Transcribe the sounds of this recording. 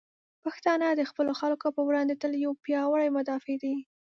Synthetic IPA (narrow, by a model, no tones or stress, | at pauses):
paxt̪ɑnəd̪əxpəloxalkopəwɽɑnd̪et̪əljawpjɑwəɽajmʊd̪ɑfed̪a